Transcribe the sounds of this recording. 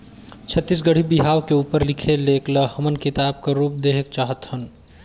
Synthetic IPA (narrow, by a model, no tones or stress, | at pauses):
t͡ʃʰət̪ːis̬ɡəɽ̤ibiɦaːwkeuːpəɾlikʰelekləhəmənkɪt̪aːb̚kaɾuːp̚d̪eɦek̚t͡ʃaːɦət̪hən